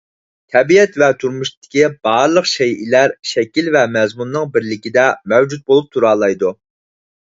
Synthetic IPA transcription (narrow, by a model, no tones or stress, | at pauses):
t̪ʰɛbiɛt̪vɛt̪ʰuɾmuʃt̪ʰɪ̥kʲib̥ɑɾlˠəqʃɛjʔḭlæɾʃɛkʲilvɛmɛzmunːɨŋbɪɾlɪkʲid̪ɛmɛwd͡ʒut̪̚bolˠup̚t̪ʰuɾɑːlˠɑjd̪u